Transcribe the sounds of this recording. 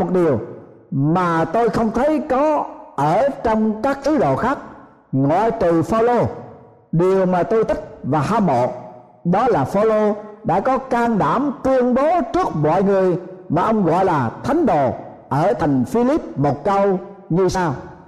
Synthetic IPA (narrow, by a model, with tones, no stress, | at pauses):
o˨˩t̚ɗi˨˩əw | maː˨˩t̪o˧jxə˧wŋ͡mt̪ʰə˨˦jkɔ˨˦ʔəː˧˩t͡ɕɔ˧wŋ͡mkaː˦˥k̚t̪ʰɨ˨˦ɗo̰˧˨xaː˦˥k̚ | ŋɔ̰˧˨jt̪ɨ˨˩faː˧wlo˧ | ɗi˨˩əwmaː˨˩t̪o˧jt̪ʰi˦˥k̚vaː˨˩ɦaː˧mo̰˧˨ | ɗɔ˨˦laː˨˩faː˧wlo˧ɗa̰ː˧˥kɔ˨˦kaː˧ŋɗaː˧˩mt̪ɨ˧əŋɓo˨˦t͡ɕɨ˦˥ək̚mɔ̰˧˨jŋɨ˨˩əjmaː˨˩ʔə˧wŋ͡mɣɔ̰˧˨jlaː˨˩t̪ʰa˨˦jŋ̟ɗo̰˧˨ | ʔəː˧˩t̪ʰa˨˩jŋ̟fi˧li˦˥p̚mo˨˩t̚kə˧wɲɨ˧saː˧w